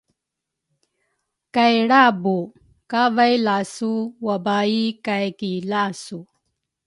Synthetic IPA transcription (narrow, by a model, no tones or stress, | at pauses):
kajɽabu | kavajlasuwabaikajkilasu